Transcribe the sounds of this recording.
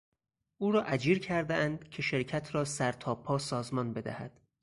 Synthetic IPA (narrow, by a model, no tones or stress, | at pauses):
ʔuːɾɒːʔæd͡ʒiːɾcʰæɾd̪eʔænd̪̥cʲʰe̞ʃeɾcʰæt̪ʰɾɒːsæɾt̪ʰɒːpʰːɒːsɒːzmɒːnbe̞d̪æ̰hæ̰d̪̥